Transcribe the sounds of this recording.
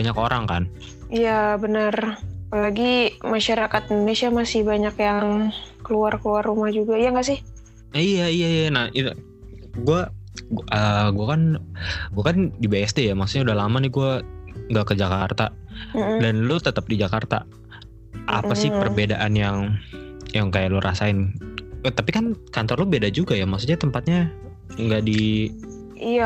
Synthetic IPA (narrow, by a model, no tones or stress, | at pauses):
baɲakoɾaŋka̰n | ijabənərpalaɡimaʃaɾakat̪indonesiamasɪhbaɲakjaŋkəluarkəluarːumahd͡ʒuɡaijaŋɡaʔsɪh | ijaijaijanahi | ɡuaʔəɡuakanɡuakandibajasd̪ɛjamaksut̪ɲaudahlamanɪɡuaŋɡakəd͡ʒakart̪a | danlʊt̪ət̪əp̚did͡ʒakart̪a̰ | ʔa̰pasɪhpərbedaʔanjaŋ | jaŋkajaʔlurʔa̰saɪnt̪apikankant̪ɔrlʊbedad͡ʒuɡajamaksut̪̚ɲat̪əmpat̪̚ɲa | ŋɡaʔdi | ija